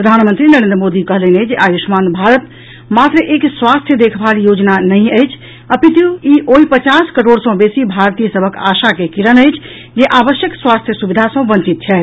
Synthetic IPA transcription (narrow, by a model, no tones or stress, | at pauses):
ppɾəd̪ʱanmənt̪ɾinəɾẽnd̪ɾəmod̪ikəɦələned͡ʒeʔajusmanbʱaɾət̪ | mat̪ɾəʔekswast̪ʰjəd̪ekʰbaljod͡ʒnanəjəjt͡ʃʰ | əpit̪juiʔoɦipət͡ʃaskəɾoɽsə̃besibʱaɾt̪ijəsəbʱəka̰sakekiɾənəjt͡ʃʰ | d͡ʒeʔabəʃjəkswast̪ʰjəsubid̪ʱasə̃bə̃ɲt͡ʃit̪̚t͡ʃʰɛːt̪̚ʰ